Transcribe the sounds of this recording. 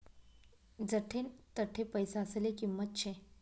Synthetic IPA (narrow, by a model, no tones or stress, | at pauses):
d͡zəʈʰent̪əʈʰːepəjsaəselekimːət̪̚t͡ɕʰẽ